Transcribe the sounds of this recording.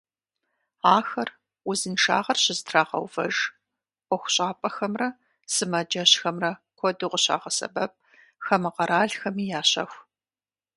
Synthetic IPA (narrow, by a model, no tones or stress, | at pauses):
aːxɐr | ʊzɨnʂa̰ːʁɐrɕɪzɨtʰraːʁɐ̰wvɐ̰ʒʷ | ɔxʷʊ̥ɕʼaːpʼɐxɐmrɐ | sɨmɐd͡ʒɐɕxɐmrɐkʷʰɔdɨqʷʊɕa̰ːʁɐsɐ̰bɐp̚ | xɐmɨqɐɾaːɮxɐmiːjaːɕɐ̰xʷ